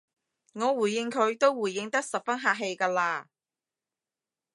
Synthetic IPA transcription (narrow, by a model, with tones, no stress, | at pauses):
ŋɔː˨˧wuː˨˩jɪ˧ŋkʰɵ˨˧ɥt̪o˥wwuː˨˩jːɪ˧ŋt̪ɐ˥k̚sɐ˨p̚fɐ˥nɦaː˨ʔ̚ɦe˧jkaː˧laː˧